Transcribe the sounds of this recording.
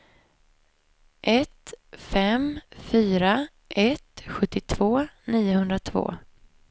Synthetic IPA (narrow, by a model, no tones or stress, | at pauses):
ʔɛt̪fɛmfyːɾa | ʔɛt̪ɧɵt̪ːɪt̪ʰv̥oːniːʊhɵnd̪ɾat̪ʰvo̰ː